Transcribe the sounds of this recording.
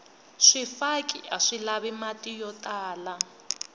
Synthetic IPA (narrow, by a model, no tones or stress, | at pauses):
ʂifakʼiaʂilaβimatʼijɔtʼaːla